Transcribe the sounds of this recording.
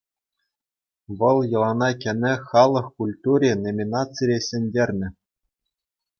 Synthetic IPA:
ʋɤ̆lˠjɤ̆lˠɑnɑkʲɘ̆nʲɘ̆χɑlˠɤ̆χkulʲt̪uɾʲenomʲinɑt͡siɾʲesʲɘ̆nʲdʲerʲnʲɘ̆

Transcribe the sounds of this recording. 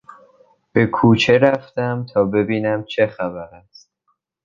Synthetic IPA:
b̥e̞kʰuːt͡ʃʰe̞ɾæft̪æmt̪ʰɒːbe̞biːnæmt͡ʃʰe̞xæbæɾæst̪̚

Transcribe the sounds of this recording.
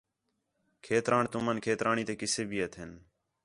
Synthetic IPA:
kʰeːt̪ɾaːɳt̪ʊmənkʰeːt̪ɾaːɳiːt̪eːkɪseːbiːət̪ʰɦɪn

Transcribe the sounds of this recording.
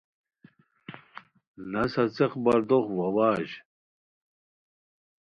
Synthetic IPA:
nɐsɐt͡seχbɐɾd̪oχwɐwaːʑ

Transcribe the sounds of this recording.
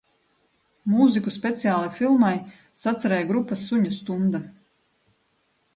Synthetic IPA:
muzikuspʲet̪sijaːlˠafilˠmaj | sat̪saɾɛjɡɾupːasːuɲust̪und̪a

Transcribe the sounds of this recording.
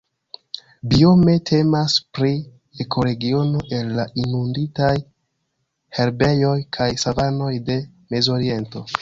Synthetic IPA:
bio̞me̞tʰe̞maspɾi | ekʰo̞ɾe̞ɡio̞no̞ʔe̞lːaʔinunditaj | he̞ɾbe̞jo̞jkʰajsavano̞jde̞ | me̞zoɾie̞nto̞

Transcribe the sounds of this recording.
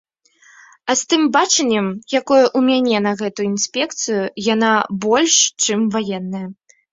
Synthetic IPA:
ɐst̪ɨmbat͡ʂɐnʲːɛmjakɔjɐʔumʲanʲɛnɐɣɛt̪ujʊinsʲpʲɛk̚t̪sɨjujanabɔlʲʂt͡ʂɨmvajɛnːɐjɐ

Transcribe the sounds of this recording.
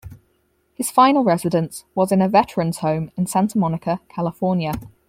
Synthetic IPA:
hɪz̥fãɪ̃nəlˠɹɛzɪdə̃nswɒzɪ̃nəvɛtɹ̥ə̃nz̥hə̃ʊ̃mɪ̃nsãntʰəmɒnɪkʰəkʰalɪfɔːnjə

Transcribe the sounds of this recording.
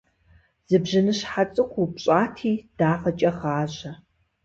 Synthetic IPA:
z̥ɨbʑɪnɨɕħat͡sʼɨkʷʰupɕʼaːtʰiːd̥aːfɐt͡ʃʼɐʁaːʑɐ

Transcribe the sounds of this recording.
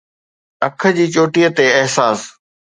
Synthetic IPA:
ɐkʰə̆d͡ʑiːt͡ɕoːʈijət̪eɪɦsaːs

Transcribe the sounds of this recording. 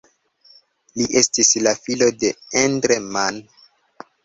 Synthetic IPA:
liʔe̞stislafilo̞de̞endɾeman

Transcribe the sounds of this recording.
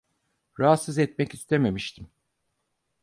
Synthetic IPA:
ɾaɦat̪sɯzɛt̪mɛcist̪ʰe̞me̞miʃt̪ʰim

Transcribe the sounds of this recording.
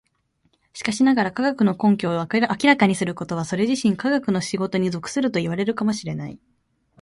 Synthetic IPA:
ɕi̥kaɕinaɡaɾakaɡakɯ̟no̞kõ̞ŋkʲo̞ːʔakʲiɾakaɲ̟isɨɾɯ̟ko̞t̪o̞β̞aso̞ɾe̞ʑiɕĩŋkaɡakɯ̟no̞ɕiɡo̞t̪o̞ɲ̟izo̞kɯ̟̥sɨɾɯ̟t̪o̞iβaɾe̞ɾɯ̟kamo̞ɕiɾe̞nai

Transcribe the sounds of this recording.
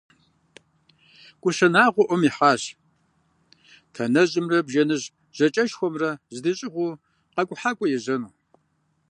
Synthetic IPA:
kʷʼʊɕɐnaːʁʷɔʔʷɔmiːħaːɕ | tʰɐnɐʑɨmrɐbʒɐnɨʑ | ʑ̥ɐt͡ʃʼɐʃxʷɔmrɐzɨdɨɕʼɪʁʷʊ | qɐkʷʼʊħaːkʷʼɔjɛʑɐnuː

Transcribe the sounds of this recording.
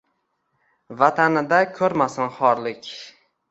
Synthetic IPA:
vat̪ʰanɪd̪akʲʰɵɾmasɪnχɒɾlɪkʲ

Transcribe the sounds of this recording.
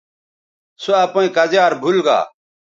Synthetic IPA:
soaːpõẽːkəzaːɾbʱʊlɡa̰ː

